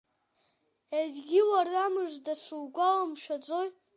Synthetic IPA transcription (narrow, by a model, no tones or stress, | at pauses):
ezɡʲɪwaramɨʐdaʂuwɡʷalamʃᶣat͡sʷʼoj